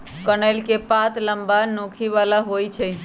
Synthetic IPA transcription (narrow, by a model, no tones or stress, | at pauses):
kənəlkepat̪ləmbanokʰiʋalaɦojt͡ʃʰɛ